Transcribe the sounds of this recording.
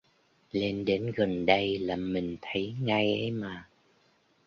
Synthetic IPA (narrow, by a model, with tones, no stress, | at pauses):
le˧nɗe˨˦nɣə˨˩nɗə˧jlaː˨˩mï˨˩ŋ̟t̪ʰə˨˦jŋa˧jʔə˧˦jmaː˨˩